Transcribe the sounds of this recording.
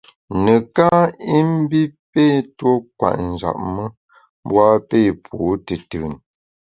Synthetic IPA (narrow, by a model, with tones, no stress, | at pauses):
nə˨ka˦i˦m̩˦bi˦pe˦˨two˦k̚wa̰˨ʔn˨d͡ʒa̰˨ʔ̚mə˦ | bwa˦pe˦˨pʰuː˨˦tə˨tɨ˨n